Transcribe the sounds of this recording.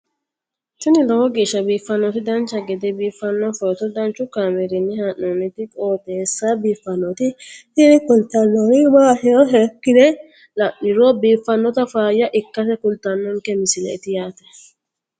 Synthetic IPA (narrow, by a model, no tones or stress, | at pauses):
t̪ʊnɪlɔwɔɡeːʃːɐbiːfɐnːɔt̪ɪd̪ɐnt͡ʃːɐɡɛd̪ɛbiːfːɐnːɔfɔt̪ɔd̪ɐnt͡ʃʊkaːmɛɾɪnːɪhanːɔnɪt̪ɪkʼoːt̪ɛːsːabiːfːɐnːɔt̪ɪɪɾɪkʊlt̪ɐnːɔnɪbaːhɛɔɦɛkːɪd̪ɛ | lɐʔɪɾoːbiːfːɐnːɔt̪ɐfaːjɐʔɪkːɐsɛkʊlt̪ɐnːɔŋkɛmɪsɪlɛ̰ɪt̪ɪjaːt̪ɛ̥